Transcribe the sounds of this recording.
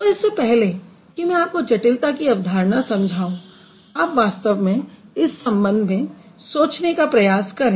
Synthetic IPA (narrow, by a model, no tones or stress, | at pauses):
t̪oɪsːepɛɦle | kimɛ̃aːp̚kod͡ʒɐʈɪlt̪akiɐʋd̪ʱaːɾnasɐ̃md͡ʒʱaːũ | aːpʋaːst̪əʋmẽɪsːɐ̃mbə̃nd̪ʱmẽsoːt͡ʃnekapɾɐjaːskɐɾẽː